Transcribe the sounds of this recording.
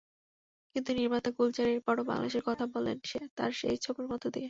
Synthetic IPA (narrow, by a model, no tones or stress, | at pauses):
kint̪uniɾmat̪akult͡ɕaɾeɾpɔɽoba̰ŋla̰d̪eʃeɾkɔt̪ʰabɔlḛnʃet̪a̰ɾʃḛjt͡ɕʰokeɾmɔt̪od̪ie